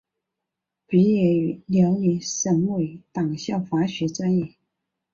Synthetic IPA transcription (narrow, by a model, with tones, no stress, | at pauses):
pi˧˥jɛ˧˩y˧˥ljɑ˧˥ʊni˧˥ʂə˧˥ŋwe˧˩ɪt̪ɑ˨˩ŋɕjɑ˥˩ʊfa˧˥ɕɥɛ˧˥t͡sa˥ni˨˩